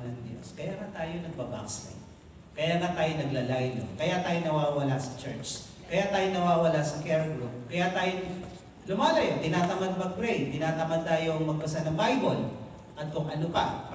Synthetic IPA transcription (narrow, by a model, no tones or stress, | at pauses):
nɐŋd̪jo̰skɐjaŋɐt̪aːjonɐɡ̚bɐba̰kslɐ̰ | kɐjanɐt̪aːjonɐɡlalajno̰kɐjat̪aːjonɐwaːwɐlasɐt͡ʃɛɹt͡ʃ | kɐjat̪aːjonɐwaːwɐlasɐkɛɹkʊlokɐjat̪aːjo | lʊmaːlɐjk̪ɪnaːt̪ɐmɐd̪bɐkɾɛjd̪k̪ɪnaːt̪ɐmɐd̪̚t̪aːjoŋmɐɡ̚pɐsanɐŋbajbol | ʔɐt̪̚kʊŋʔɐnoka̰